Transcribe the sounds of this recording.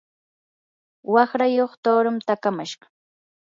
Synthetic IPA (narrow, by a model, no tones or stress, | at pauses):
wɑχɾajoχt̪oːɾamt̪akamaʃɢɑ̥